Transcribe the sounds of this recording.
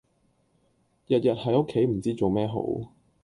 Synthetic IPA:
jɐ˨t̚jɐ˨t̚hɐ˨˥jo˥kʰːe˨˥jm̩˨˩t͡siː˥t͡so˨wmɛː˥ɦo̰˨˥w

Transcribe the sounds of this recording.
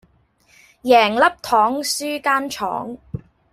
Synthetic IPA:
jɛː˨˩ŋlɐ˥p̚t̪ʰɔː˨˥ŋsyː˥kaː˥nt͡ʃʰɔ̰ː˨˥ŋ

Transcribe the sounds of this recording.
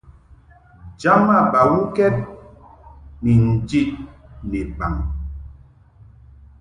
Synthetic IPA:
d͡ʒa˦ma˦˨ba˨wu˦kɛ˦t̚ | mi˨n̩˨d͡ʒi˦˨ʔ̚ne˨pa˨ŋ

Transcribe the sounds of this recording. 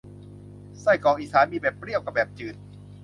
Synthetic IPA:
sa˥˩jkɔː˨˩ŋʔiː˨˩saː˨˦nmiː˧bɛː˨˩pːɾi˥˩əwka˧˩p̚bɛː˨˩p̚t͡ɕɯː˨˩t̪̚

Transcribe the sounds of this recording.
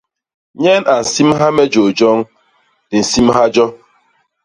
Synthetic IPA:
ɲe˦nʔa˨n̩˨si˦m̩˦ɦa˦me˦d͡ʒo˨d͡ʒɔ˦ŋ̩˦ | d̥ɪ˨n̩˨si˦m˦ɦa˦d͡ʒɔ˦

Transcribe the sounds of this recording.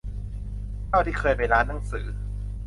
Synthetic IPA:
k̪ʰa˥˩wt̪ʰiː˥˩kʰɤː˧jpa˧jɾaː˦˥nːa˧˦ŋsɯ̰ː˩˦

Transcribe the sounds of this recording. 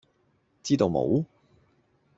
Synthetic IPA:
t͡siː˥t̪o˧wmo̰˨˥w

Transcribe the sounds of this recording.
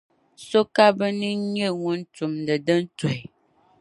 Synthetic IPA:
so˦ka˦bə˦ni˦ɲə˦˨ŋu˦n˦tu˨mdə˨də˦n̩˦to˨j

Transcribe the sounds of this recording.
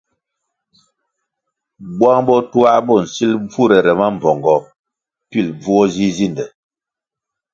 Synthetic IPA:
bwa˦ŋbɔ˦tu˦a˦ʔbɔ˦˨n̩˨si˦lb͡vu˦˨ɾɛ˨ɾɛ˨ma˦m˨b͡vɔ˨ŋɡɔ˨ | pi˦lb͡vu˦ɔ˦zi˦zi˦˨ndɛ˨

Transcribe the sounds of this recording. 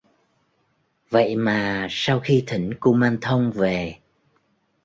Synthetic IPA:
və̰˧˨jmaː˨˩saː˧wxi˧t̪ʰï˧˩ŋ̟ku˧maː˧nt̪ʰə˧wŋ͡mve˨˩

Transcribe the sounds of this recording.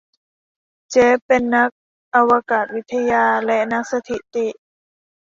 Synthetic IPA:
t͡ɕe˦˥pe˨nːa˦˥k̚ | ʔa˧wa˧kaː˨˩t̪̚wi˦˥t̪ʰːa˧jaː˧lɛ˧na˧˦˥k̚sa˧t̪ʰi˨˩t̪i˧˩ʔ

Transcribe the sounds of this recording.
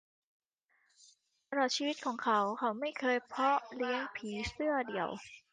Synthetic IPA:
a˧ɾɔː˨˩t̪̚t͡ɕʰiː˧wi˦˥t̪̚kʰɔː˩˦ŋkʰa˦˥wkʰa˨˥wma˥˩jkʰɤː˧jpʰɔ˦˥li˧˦˥əŋpʰiː˩˦sɯ˥˩ɐdi˨˩əw

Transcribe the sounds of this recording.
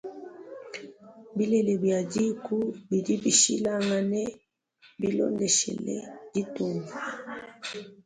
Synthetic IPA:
bi˦le˨le˨bja˨ɟi˦ku˦bi˨ɾi˦bi˨ʃi˦la˦ŋɡa˨ne˦ | bi˦lɔ̰˦nde˨ʃḛ˨lḛ˦ɟi˦tuː˨mvu˨

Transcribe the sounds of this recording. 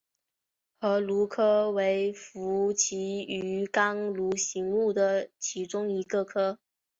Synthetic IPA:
xɤ˧˥lu˧˥kʰɤ˥we˧˥ɪfu˧˥t͡ɕʰi˧˥y˧˥kɑ˥ŋlu˧˥ɕi˧˥ŋu˥˩d̪ə˩t͡ɕʰi˧˥ʈ͡ʂʊ˥ŋi˧˥ɡə˧kʰɤ˥

